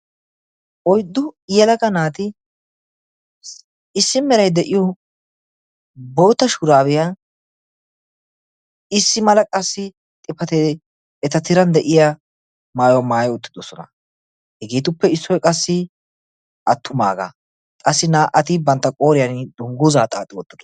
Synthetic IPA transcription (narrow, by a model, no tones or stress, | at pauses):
ʔɔjd̪ːʊjɛlɐkɐnaːt̪ɪ | ɪsːɪmɛɾɐjd̪ɛʔɪjɔ | bo̞ːt̪ːɐʃuːɾaːbɪja | ɪsːɪmɐlɐkʼɐsːɪ | t̪ʼɪpːɐt̪ed̪ | ɛt̪ɐt̪ɪɾɐnd̪ɛʔɪja | maːjɔmaːjɔʊt̪ːɪd̪ɔsɔnɐ̰ | hɛɡeːt̪ʊpːɛɪsːɔjkʼɐsːɪ | ʔɐt̪ʰːʊma̰ːɡɐ̰ | kʼɐsːɪnaːʔɐt̪ɪbɐnt̪ːɐkʼo̞ːɾɪjɐnd̪ʊŋɡʊzaːt̪ʼaːt̪ʼːɪwɔt̪ːɪd̪ɔ